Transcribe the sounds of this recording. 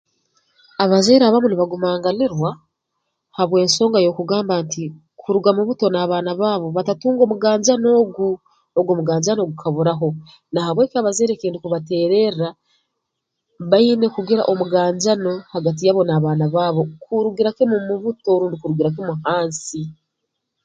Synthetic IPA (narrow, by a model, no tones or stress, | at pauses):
aβazeːɾaβamuniβaɡumaːŋɡaleɾwa | haβwe̞ːnso̞ːŋɡajo̞kuɡaːmbanti | kʰuɾuɡamuβuto̞naːβaːnaβaːβo̞βatatuːŋɡo̞ːmuɡaːɲd͡ʒano̞ːɡu | oɡomuɡaːɲd͡ʒano̞ːɡukʰaβuɾaɦo̞ | nahaβwe̞ːkiaβazeːɾekiːndikuβate̞ːɾe̞a | βaine̞kuɡiɾa̰ʔo̞muɡaːɲɟano̞haɡat̬ijaβo̞naβaːnaβaːβo̞kuɾuɡiɾakemumuβuto̞ːɾuːndikuɾuɡiɾak̬emuhaːnsi